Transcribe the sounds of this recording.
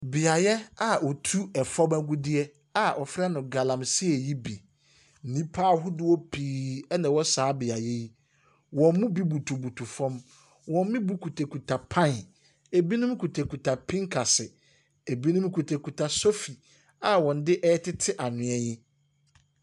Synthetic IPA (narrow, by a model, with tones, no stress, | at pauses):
bɪ˨a˨jɛ˦a˨ɔ˨tʰu˦ɛ˨fɔ˦mæ˦ɡu˦dɪ˦ɛ˦ | a˨ʔɔ˨fɾa˦nʊ̃˨ɡa˨lã˨msi˦ɛ˨ji˦bi˨ | n̩˨nĩ˦pʰaː˦ɦʊ˦dɪ˦wɔ˦pʰiː˨ɛ˦nã˨wɔ˦saː˨˦bɪ˨a˨jɛ˦ji˦ | wɔ̃˨m˦mũ˦bi˦bu˨tʰu˨bu˨tʰu˨fɔ̃˦m | wɔ̃˨m˦mĩ˦bu˦kʰu˨tʰe˨kʰu˨tʰa˨pʰã˦n˨ | e˨bi˦nʊ̃˦m˦kʰu˨tʰe˨kʰu˨tʰa˨pʰĩ˦ŋkʰa˨sɪ˨ | e˨bi˦nʊ̃˦m˦kʰu˨tʰe˨kʰu˨tʰa˨so˦fi˨ | a˨wɔ̃˨n˦dɪ˦ʔɛ˦tʰɪ˦tʰɪ˦ʔa˨nʊ̃˨ɛ˦ɲɪ̃˦